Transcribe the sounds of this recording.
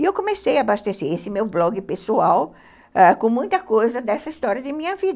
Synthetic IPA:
iewkõmesejɐːbast̪eseɾesɪmewblɔɡɪpesuaw | akõmũj̃t̪ɐkojzɐd̪ɛsɐist̪ɔɾjɐd̪ɪmĩɲɐvid̪ɐ

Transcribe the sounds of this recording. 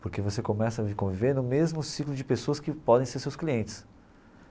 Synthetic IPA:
poɾkevosekomɛsɐvikõviveɾnʊmezmʊsiklʊd͡ʒɪpesoɐskɪpɔd̪ẽj̃seɾsewskliẽnt͡ʃɪ̥s

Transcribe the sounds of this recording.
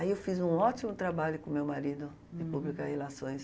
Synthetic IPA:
aiewfizũɔt̪imʊt̪ɾabaʎʊkõmewmaɾid̪ʊ | d̪ɪpublikahelasõj̃s

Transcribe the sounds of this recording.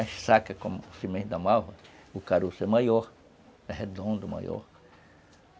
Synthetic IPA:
aʃsakɐkõmsimẽd̪amawvɐukaɾusemajoɾ | ɛhed̪õnd̪ʊma̰jo̰ɾ

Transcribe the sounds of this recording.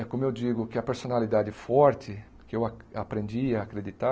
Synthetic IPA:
kõmʊewd͡ʒiɡʊkɪɐpeɾsõnalid̪ad͡ʒɪfɔɾt̪ɪ | kɪewa | apɾẽnd͡ʒiaːkɾed͡ʒit̪a

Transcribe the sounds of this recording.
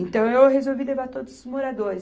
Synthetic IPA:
ẽnt̪ɐ̃w̃ewhezowvilevaɾt̪od̪ʊzʊzmoɾad̪oɾɪs

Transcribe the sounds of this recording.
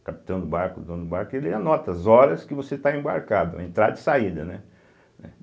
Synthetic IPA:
kapi̥t̪ɐ̃w̃d̪ʊbaɾkʊd̪ɐ̃nd̪ʊbaɾkʊelɪanɔt̪ɐzɔɾɐskɪvoset̪aẽba̰ɾkad̪ʊ̰ḛ̃nt̪ɾad̪ɐd͡ʒɪsaid̪ɐnɛ | nɛ

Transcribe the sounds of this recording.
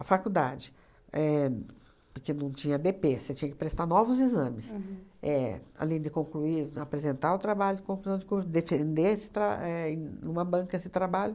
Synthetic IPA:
ɐfakud̪a̰d͡ʒɪ | ɛ | pʊɾkenɐ̃w̃t͡ʃĩɲɐd̪epeset͡ʃĩɲɐkɪpɾest̪anɔvʊzizɐ̃mɪsɛa̰lẽj̃d̪ɪkõŋkluiapɾezẽnt̪aɾʊt̪ɾabaʎʊkõkluzɐ̃w̃d͡ʒɪkuɾsʊd̪efẽnd̪eesɪ̥t̪ɾa̰ɛẽũmɐbɐ̃kɐesɪt̪ɾabaʎʊ

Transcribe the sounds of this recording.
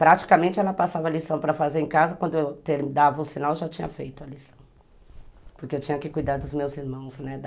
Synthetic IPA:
pɾat͡ʃi̥kɐmẽnt͡ʃɪɛlɐpasavɐːlisɐ̃w̃pɾɐfazeɾẽkazɐkwɐ̃nd̪ʊewt̪eɾd̪avɐʊsinawʒat͡ʃĩɲɐ̰fejt̪ʊɐlisɐ̥̃w̃ | pʊɾkeewt͡ʃĩɲɐkɪkujd̪aɾd̪ʊzmewziɾmɐ̃w̃snɛd̪

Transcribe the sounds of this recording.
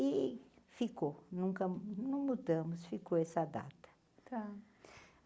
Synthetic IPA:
ifikonũkɐnɐ̃w̃mud̪ɐ̃mʊsfikoɛsɐd̪a̰t̪ɐ̥ | t̪a

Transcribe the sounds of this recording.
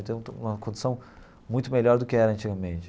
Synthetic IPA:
ɪt̪ẽũũmɐkõd͡ʒ̪usɐ̃w̃ | mũj̃t̪ʊmeʎɔɾd̪ʊkɪɛɾɐɐ̃nt͡ʃiɡɐmẽnt͡ʃɪ̥

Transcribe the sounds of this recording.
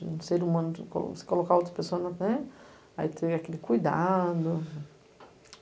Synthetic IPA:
ũseɾumɐ̃nʊko̰l̰ose̥kolokaowt̪ɾɐ̥pesoɐnɐnɛ | ait̪ʰeakelɪkujd̪a̰d̪ʊ

